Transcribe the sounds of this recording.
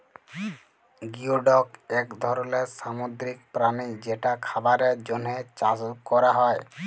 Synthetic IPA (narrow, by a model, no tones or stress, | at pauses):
ɡiuɖɔkɛkd̪ʱɔɾɔlesamod̪ɾikpɾanid͡ʒeʈakʰabaɾed͡ʒonɦet͡ʃasukɔɾaɦɔe